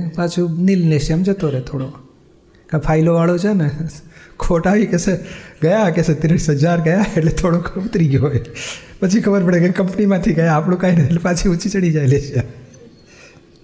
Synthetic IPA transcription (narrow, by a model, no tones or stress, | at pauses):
pat͡ʃʰunilleʃamd͡ʒət̪oɾet̪ʰoɽo | kãpʰailoʋaɭot͡ʃʰenekʰoʈaʋikeseɡəjakeset̪ɾisəd͡ʒaɾɡəjaeʈlet̪ʰoɽokʰəbt̪ɾiɦojpət͡ʃʰikʰəbəɾpəɽekekəmpnimãt̪ʰiɡəjaːpɽ̃ũkainəelepat͡ʃʰiut͡ʃit͡ʃəɽid͡ʒajleʃie